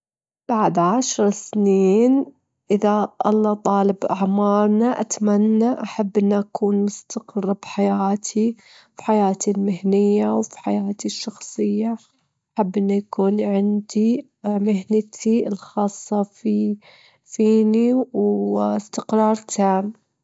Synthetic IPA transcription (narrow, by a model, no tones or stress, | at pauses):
b̥aʕd̪ʕaʃɾˤsniːn | ʔɪðaʔɑlˤːɑt̪ˤɑːlɪbʔaʕmɑːɾˤnaʔat̪manːaʔaħabːʔɪnːʔakʰuːnmʊst̪aqɨrˤːbħajaːt̪ʰi | fi̥ħajaːt̪ilmɪhnɪjːawfi̥ħajaːt̪iʃːɑxsˤɨjːa | ʔaħabːʔɪnːujakuːnʕɪnd̪i | mɪɦnɪt̪ʰiɪlxɑːsˤːɑfi | fiːniwɪst̪ɪqɾˤɑːɾˤt̪ʰaːm